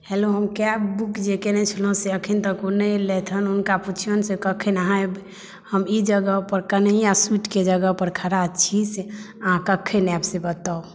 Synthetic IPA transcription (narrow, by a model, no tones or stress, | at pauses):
heloɦəmkjabukd͡ʒekenɛt͡ʃʰilõseəkʰint̪əkonəlet̪ʰənunkaput͡ʃʰiənsekəkʰenaɦəb | həmid͡ʒəɡəpəɾkənɦijasuʈked͡ʒəɡəpəɾkʰəɾat͡ʃʰise | əɦãkəkʰenabsebət̪ao